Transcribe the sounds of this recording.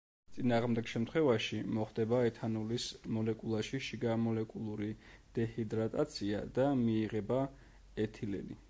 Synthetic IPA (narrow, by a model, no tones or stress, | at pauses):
t̪sʼinaːʁmd̪ɛɡ̥ʃɛmt̪ʰχwɛvaʃimɔχd̪̥ɛbaɛt̪ʰanulismɔlɛkʼulˠaʃiʃiɡamɔlɛkʼulˠuɾid̪̥ɛhid̪ɾat̪ʼat̪sʰia̰d̪amiːʁɛba | ɛt̪ʰilɛ̰li